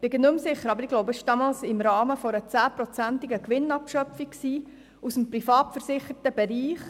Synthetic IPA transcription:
pɪɡənømsɪχəɾɑbəɾɪɡlɔʊbəɪʃd̥ɑːmɑːlsɪmɾɑːməfɔɾət͡sæːpɾɔt͡sæntɪɡəkʋɪnɑpʃœpfikksiː | usəmpɾifɑːtfəɾsɪχətəbɛɾiːχ

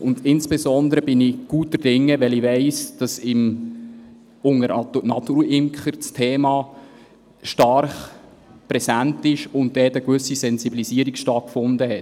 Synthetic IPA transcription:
ʊndɪnsb̥ɛsɔnd̪əɾəb̥ɪnɪɡ̥uːtːərd̥ɪŋːəʋɛliveɪsd̥ɑsɪm | ʊŋəɾɑtunɑt̪uːɾɪmkχəɾt͡stʰɛːmɑː | ʃtɑɾχ | pɾɛsæntɪʃʊntd̥ɛːtəkvʏsisɛnsibilisiəɾiksʃtɑt̚kfʊndəɦɛt

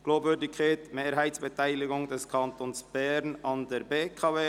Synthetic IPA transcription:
ɡ̥loːbvʏɾdɪkʰːaɪtmeːɾɦaɪtsb̥etʰaɪlɪɡʊŋdɛskʰɑntoːnsb̥ɛɾnɑndɛɾbeːkʰaveː

